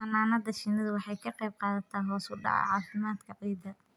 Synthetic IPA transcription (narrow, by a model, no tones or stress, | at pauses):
bɐnaːnɐðɐʃɪnɐðɐwɑħɑjkʰɐqɛjb̚qɑːðɐt̪ʰaːnlɔːsʊɖɑ̰ʕɐ̰ʕɑːfɪmaːd̪kʰɐqiːd̪ɐ